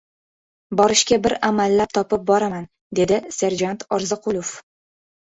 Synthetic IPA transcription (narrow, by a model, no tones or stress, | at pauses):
bɒɾɪʃkʲabɪɾamalːap̚t̪ʰɒpɪp̚bɒɾaman | d̪e̞d̪ɪse̞ɾd͡ʒant̪ʰɒɾzɨqʰʊlˠof